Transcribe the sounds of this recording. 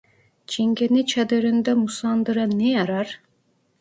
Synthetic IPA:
t͡ʃʰiŋɡenit͡ʃʰad̪øɾynd̪ɛmusɑnd̪ɯɾɯnːejɑɾɑɾ

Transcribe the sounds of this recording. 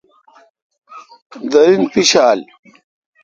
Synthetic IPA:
d̪ɐɾinpiɕaːl

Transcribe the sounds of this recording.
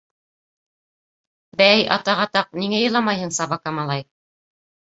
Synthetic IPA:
bæjʔɑ̰t̪ɑʁɑt̪ɑq̚niŋæjɤ̆lˠɑmɑjhɤɴsɑβɑkɑmɑlˠɑj

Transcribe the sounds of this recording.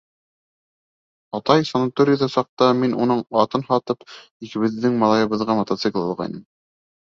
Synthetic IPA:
ɑt̪ɑjsɐnɑt̪oɾʲiðɑsɑq̚t̪ɑminunɤɴɑt̪ɤnhɑt̪ɤp | ikɘ̆βɘ̆ðːɘŋmɑlˠɑjɤ̆βɤ̆ðʁɑmɐt̪at̪sɨklˠɑ̰lˠʁɑ̰jnɤm

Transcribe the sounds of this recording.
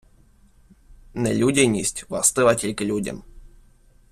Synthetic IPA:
nɛlʲudʲenʲisʲtʲvast̪ɨvatʲilʲklʲudʲɪ̰n

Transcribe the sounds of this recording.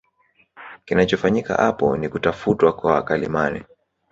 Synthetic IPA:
kinat͡ʃɔfaɲika̰ʔapɔ̰nikutafutwakwaakalḭmanɛ

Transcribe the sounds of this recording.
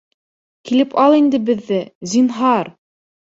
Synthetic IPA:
kilɘpʰɑlˠind̪ɘbɘ̆ðːɘzinɦɑɾ

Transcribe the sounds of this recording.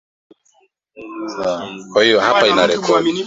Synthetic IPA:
akwahijɔɦapainaɾɛkʰɔdi

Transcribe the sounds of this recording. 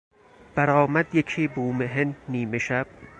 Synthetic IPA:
b̥æɾɒːmæd̪jekʰiːbuːmeɦenniːmeʃæb̥̚

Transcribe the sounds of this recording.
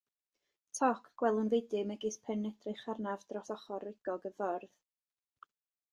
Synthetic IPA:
tʰɔkʰɡ̥wɛlˠənvejdɨmɛɡispʰɛnːɛdrɪχarnavd̥rɔsɔχɔrːɪɡ̥ɔɡəvɔrð

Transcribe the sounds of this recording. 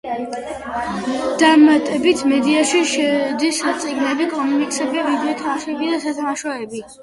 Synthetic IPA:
d̪̥aɾmat̪ʼɛbit̪ʰmɛd̪iaʃiʃɛd̪isat̪sʼiɡnɛbikʼɔmunikʼsɛbiavid̪ɛt̪ʰaʃɛbid̪asat̪ʰamaʃɔɛbi

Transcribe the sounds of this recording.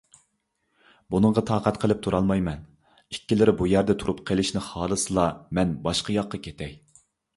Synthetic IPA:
bunəɴʁɑt̪ʰɑːqʰæt̪qʰəlˠɪp̚t̪ʰuɾɑlˠmɑjmɛn | ikʲːilɪɾɪbujæɾd̪ɛt̪ʰuɾupqʰəlˠɪʃnɪχɑːlˠɨsɨlˠɑmɛnbɑʃqɑjɑqːɑkʲʰet̪ʰɛj

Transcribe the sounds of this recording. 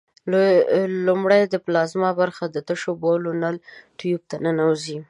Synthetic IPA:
lumɽajd̪əplɑzmɑbaɾxad̪ət̪əʃobolonalʈjub̚t̪anənawzi

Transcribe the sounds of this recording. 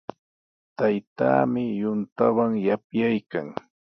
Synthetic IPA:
t̪ajt̪a̰ːmɪjʊnt̪awaŋjapjajka̰ŋ

